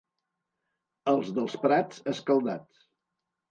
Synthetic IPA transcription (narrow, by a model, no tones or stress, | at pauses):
əlˠzðəlˠspɾat͡səskəlˠd̪at